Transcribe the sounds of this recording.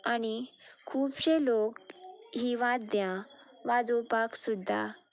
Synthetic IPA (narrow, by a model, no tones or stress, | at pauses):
añikʰuːpɕelokɦiʋãt̪̚d̪jã | ʋad͡zupaksud̪ʱːa̰